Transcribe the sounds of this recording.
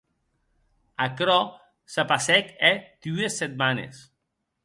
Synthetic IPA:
akɾɔ | sapasɛked̪̥ueset̪̚manḛs

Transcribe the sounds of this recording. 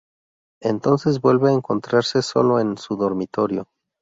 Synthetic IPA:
e̞nt̪o̞nse̞zbwe̞lβeaeŋko̞nt̪ɾaɾse̞so̞̰lo̞e̞nsuðo̞ɾmit̪o̞ɾjo̞

